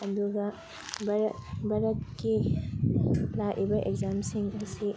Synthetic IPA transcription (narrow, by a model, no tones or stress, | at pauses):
ɐd̪uɡɐ | bɐɾbɐɾɐtkːi | laʔibɐʔekzamsiŋɐsi